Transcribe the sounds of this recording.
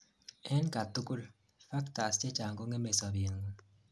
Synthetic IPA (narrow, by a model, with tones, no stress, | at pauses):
ɛ˦nka˨tu˦ku˦l | fa˦kta˨st͡ʃe˦t͡ʃa˨ŋko˦ŋe˦me˨sa˨bi˨ŋu˦